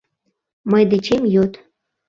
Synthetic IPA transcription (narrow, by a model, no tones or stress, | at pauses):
məjd̪et͡ɕemjot̪